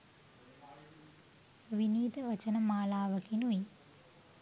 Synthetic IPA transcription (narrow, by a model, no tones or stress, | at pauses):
ʋiniːd̪ɐʋɐt͡ʃɐnɐmaːlaːʋɐkinui